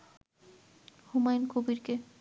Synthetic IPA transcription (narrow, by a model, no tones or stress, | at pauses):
humajnkobiɾke